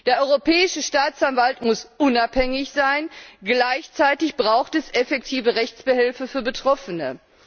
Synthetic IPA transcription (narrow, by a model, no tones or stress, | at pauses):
d̥eːɐʔɔʏʁopʰɛːɪʃəʃtaːt͡sanvaltmʊsʔʊnaphɛŋɪçz̥aɪnɡlaɪçt͡saɪtɪçb̥ʁaʊxtɛsɛfɛk̚tʰiːvəʁɛçt͡sb̥əhɪlfəfyːɐbətʁ̥ɔfənə